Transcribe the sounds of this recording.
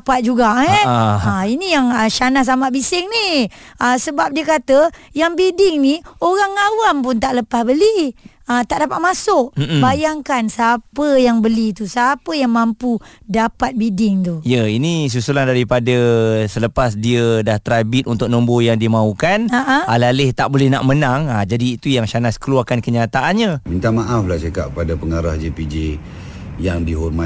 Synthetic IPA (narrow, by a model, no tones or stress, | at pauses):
pat̪̚d͡ʒuɡaʔɛainijaŋəʃanahs̬amaʔbisɪŋni | əsəbap̚diəkat̪əjaŋbidɪŋnioɾaŋːawampʊnt̪aʔləpahbəli | ət̪aʔdapat̪̚masʊʔ̩bajaŋkansəapəjaŋbəlit̪usapəjaŋmampudapat̪̚bidɪŋt̪uijəinis̬usulandaɾipadasələpasdiədaht̪əɾabit̪̚unt̪ʊk̚nɔmbojaŋdiəmaukanaʔaalalɪht̪aʔbolɛhnaʔmənaŋad͡ʒadiːt̪ujaŋʃanaskəluarkankəɲat̪aʔanɲamint̪amaʔaflahsakaʔ̚padapəŋaɾahd͡ʒepid͡ʒe | jaŋdiɦɔrma